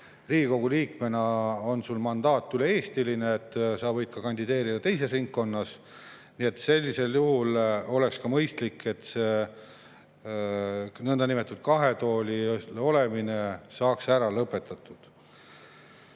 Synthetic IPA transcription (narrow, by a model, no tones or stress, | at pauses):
riːɡiko̞ɡ̥uliːkme̞nɑo̞nsulmɑnd̪̥ɑːt̪ːˑyleeːst̪ilineːt̪ːˑsɑvɤjd̪̥̚kɑkɑnʲd̪id̪e̞ːɾid̪ɑt̪e̞js̬e̞sriŋkːo̞nːɑs | nie̞t̪se̞lʲːise̞ljuhulo̞le̞kskɑmɤjst̪likːe̞t̪seː | nɤnd̪ɑnime̞t̪ːˑud̪̥̚kɑɦe̞t̪o̞ːlʲio̞lemine̞sɑːksæɾɑlɤpːˑe̞t̪ːˑɑt̪ːˑud̪̥